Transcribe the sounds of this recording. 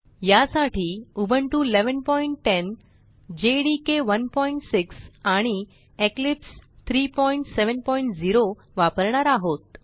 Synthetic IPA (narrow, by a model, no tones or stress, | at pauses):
jasaʈʰiːubʱəɳʈuleʋənpɔiɳʈːen | d͡ʑeɽikeʋənpɔiɳʈsiksaɽ̃i | eklipst̪ʰɾipɔiɳʈseʋənpɔiɳʈd͡ziɾo | ʋapəɾɳaɾaɦot̪̚